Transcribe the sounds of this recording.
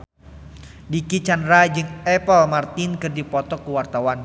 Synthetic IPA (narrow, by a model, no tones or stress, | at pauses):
dikit͡ʃandɾad͡ʒɨŋɛpəlmart̪ɪnkɨrdipɔt̪ɔkuwart̪awan